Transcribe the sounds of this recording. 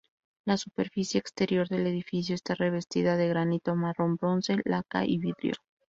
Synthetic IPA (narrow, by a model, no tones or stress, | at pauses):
lasupe̞ɾfisje̞ːkst̪e̞ɾjo̞ɾðe̞le̞ðifis̬joest̪are̞β̞e̞st̪iðaðeɣɾanit̪omaro̞mbɾo̞nse̞laka̰ʔiβiðɾjo̰